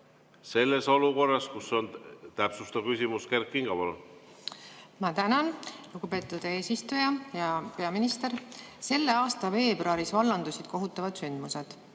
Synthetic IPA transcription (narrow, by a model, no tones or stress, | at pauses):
se̞lːe̞so̞luko̞rːɑskuso̞nt̪æpsust̪ɑkysʲimuske̞rkːiŋɡ̥ɑvol | mɑt̪ænɑnluɡ̥upe̞ːt̪ːud̪̥e̞ːsist̪ujɑjɑpe̞ɑminist̪e̞ɾse̞lːe̞ɑːst̪ɑve̞ːbroɑɾisvɑlːɑnd̪usid̪̥ko̞ɦut̪ːˑɑvɑd̪̥synd̪̥mused̪̥